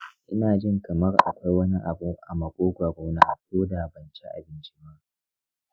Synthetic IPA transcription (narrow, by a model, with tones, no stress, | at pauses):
ʔɪ˦naː˨d͡ʒɪ˦˨ŋkɐ˨mɐ˦rʔa̰˨kʷa˦jwɐ˦ni˦ʔa˨bʊ˦ʔa̰˨mɐ˨kʷʼoː˦ɡʷaː˨ɡʷa˦naː˦ʔa˨koː˦da˨bɐ˨nt͡ʃi˦ʔa̰˨bɪ˦nt͡ʃi̥˦maː˦